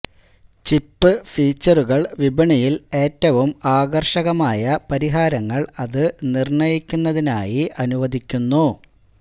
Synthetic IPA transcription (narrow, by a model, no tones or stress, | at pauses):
t͡ɕipːɨfiːt͡ɕːɐruɣɐɭʋibɐɳɐjile̞ːtːɐʋumaːɡɐrʂɐɣɐmaːjɐpɐɾiɦaːɾɐŋːɐɭɐðɨnirɳɐjikʲːunːɐðinaːjiʔɐnuʋɐðʱikʲːunːu